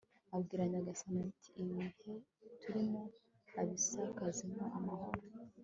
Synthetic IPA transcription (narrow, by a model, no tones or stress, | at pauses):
abɡiːɾaɲaɡasanatʰi̥ːβihe̞tuɾimo | aβisakazimoʔamaho̞ɾo